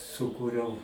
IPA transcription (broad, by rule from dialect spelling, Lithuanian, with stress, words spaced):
sʊˈkuːrʲɛʊ